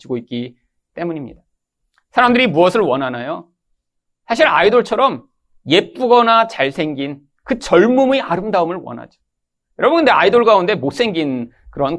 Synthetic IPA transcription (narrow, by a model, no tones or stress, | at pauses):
d͡ʑiɡoit̚k͈i | t͈e̞muɲimɲḭda | sʰaɾamdɯɾimuʌsʰɯɭwʌnanajo | sʰaɕ̬ʰiɾaidoɭt͡ɕʰʌɾʌm | je̞p͈uɡʌnat͡ɕaɭsʰe̞ŋɡin | kɯt͡ɕʌɭmumeaɾɯmdaɯmɯɭwʌ̰nɦa̰d͡ʑo̥ | jʌɾʌbɯnkɯndeaidoɭɡaunde̞mos͈e̞ŋɡin | kɯɾʌn